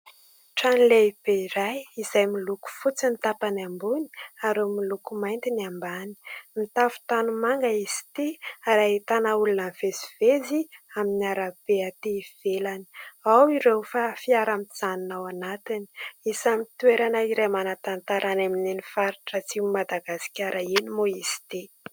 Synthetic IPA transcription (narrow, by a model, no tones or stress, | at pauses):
ʈ͡ʂanileib̥eiɾajizajmiluku̥fut͡sinit̪apanambuni̥aɾemilukumajnt̪iniambani̥mit̪afu̥t̪anumaŋɡaizi̥t̪iaɾait̪anaulunəv̥eziveziaminiaɾab̥eat̪eiv̥elaniawiɾewfafiaɾamiz̥aninawanat̪ini̥isamit̪uweɾanaiɾemanat̪ant̪aɾʔanamininifaɾiʈ͡ʂət͡simad̪aɡasi̥kʲaɾʔainimoisi̥t̪e